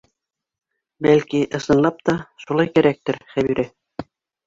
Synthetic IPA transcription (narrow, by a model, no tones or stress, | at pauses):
bælkiʔɤ̆sɤ̆nlˠɑp̚t̪ɑʃulˠɑjkæɾæk̚t̪ɘɾχæβiɾɘ